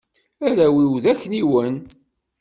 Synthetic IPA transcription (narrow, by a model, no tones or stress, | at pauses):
æɾæwiwðækːniwən